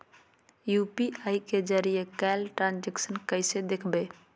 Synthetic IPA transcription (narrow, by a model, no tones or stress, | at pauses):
juːpiaiked͡ʒəɾijekɛlʈɾãːnd͡ʒeksənkəɪsed̪ekʰbeː